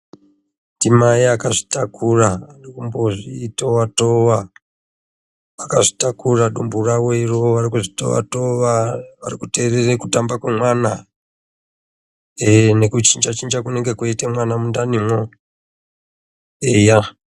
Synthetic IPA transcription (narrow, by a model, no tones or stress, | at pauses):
ndimajiakaʐi̥takʰuraːrikumboʐitowatoʋa | akaʐitakuraɗumburawoiroʋarikuʐito̰ʋa̰toʋaʋa̰rikute̞ːrerekutambakwe̞mwana | ne̞kut͡ʃind͡ʒat͡ʃind͡ʒakuneŋɡe̞kwoitemwanamundanimwo | eja